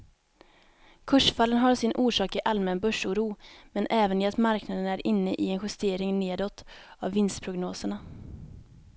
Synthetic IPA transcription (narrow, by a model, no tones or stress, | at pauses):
kʰɵʂfalːənɦaɾsɪnʔuːʂɑːkɪʔalmɛnbœʂuːɾuːmɛnʔɛːvənɪat̪maɾknad̪ənæɾʔɪnːəʔɪɛnɧɵst̪eːɾɪŋneːd̪ɔt̪ːavːɪnst̪pʰɾʊɡnoːsəɳa